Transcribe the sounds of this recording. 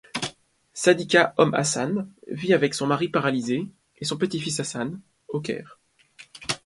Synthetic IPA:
sad̪ikʲaɔma̰sanviavɛksɔ̃maʁipaʁalize | esɔ̃pət̪ifisasan | ok̬ʲɛ̰ːʁ

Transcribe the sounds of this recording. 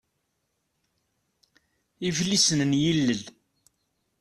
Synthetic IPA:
iflisənnjilːəl

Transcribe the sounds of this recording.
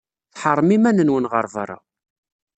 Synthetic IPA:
θħəɾˤmimænənwənʁəɾˤva̰ɾˤa̰

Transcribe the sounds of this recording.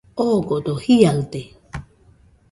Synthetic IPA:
okot̪ohialt̪e

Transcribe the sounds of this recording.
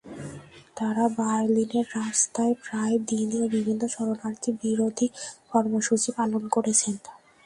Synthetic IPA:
t̪aɾabaɾlineɾːast̪aepɾaed̪iniobibʱinːoʃɔɾonaɾt̪ʰibiɾod̪ʱikɔɾmoʃut͡ɕipalonkoɾet͡ɕʰen

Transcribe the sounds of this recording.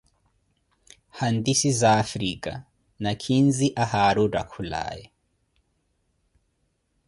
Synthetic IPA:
handisizaːfɾikʼa̰ | nakʰinziʔahaɾuɾa̰kʰula̰ːjɛ

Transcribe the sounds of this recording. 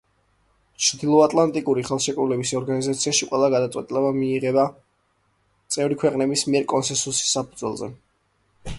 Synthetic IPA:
t͡ʃʰd̪ilˠɔat̪ʼlˠant̪ʼikʼuɾiχɛlˠʃɛkʼɾulɛbisɔɾɡanizat̪sʰiaʃiqʼwɛlˠaɡad̪at̪sʼwɛ̰t̪ʼilɛbamiːʁɛba | t̪sʼɛvɾikʰwɛqʼnɛbismiɛɾkʼɔnsɛnsusi̥sapʰud̪zwɛlˠzɛ̰

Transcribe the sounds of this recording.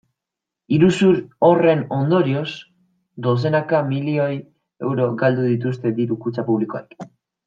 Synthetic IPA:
iɾusuɾo̞re̞no̞nd̪o̞ɾio̞s | d̪o̞s̬e̞nakamilio̞j | e̞̰wɾo̞ɡald̪uðit̪̬ust̪e̞d̪iɾukut͡sapuβliko̞a̰k

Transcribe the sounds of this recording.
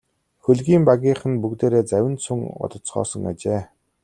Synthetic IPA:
xɵɮɣʲiːmpaɣʲiːχɘ̆npukt̪eːɾeːt͡sæwʲɪ̆nsɵŋʊ̰t̪ə̆t͡sχɔ̰ːsə̆ŋa̰t͡ɕeː

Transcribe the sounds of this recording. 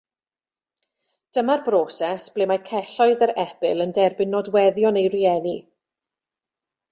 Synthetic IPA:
d̥əmarbroːsɛsb̥leːmajkʰɛɬɔɨðəɾɛb̥ɪlˠəndɛrbɪnːɔdwɛðjɔnejriɛni

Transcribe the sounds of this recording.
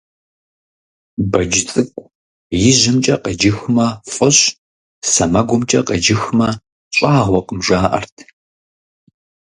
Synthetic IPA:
bɐd͡ʒɪt͡sʼɨkʷʼ | jɪʑɪmt͡ʃʼɐqəd͡ʒɪxmɐfʼɨɕ | sɐmɐɡʷʊmt͡ʃʼɐqəd͡ʒɪxmɐ | ɕʼaːʁʷɔqəmʒaːʔɐ̰rtʰ

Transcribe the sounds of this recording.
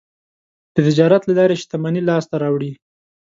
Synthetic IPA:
d̪̥ət̪ɪd͡ʒɑɾat̪lalɑɾeʃt̪amɑnilɑst̪aɾɑwɽi

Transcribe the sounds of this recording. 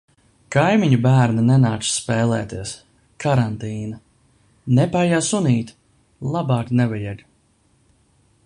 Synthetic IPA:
kajmiɲubæːɾnanɛnaːt̪ssːpɛːlˠɛ̰ːt̪iɛs | kʰaɾant̪iːna | nɛpajasuniːt̪ | lˠabɑːknɛvajɛɡ

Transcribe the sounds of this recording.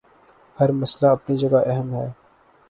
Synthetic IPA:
hɐɾmɐslaɐpnid͡ʒɐɡaʔɛɦəmɦɛː

